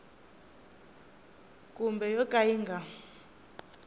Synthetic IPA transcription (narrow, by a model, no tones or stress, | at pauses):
kʼumbɛjɔkʼajiːŋɡʱa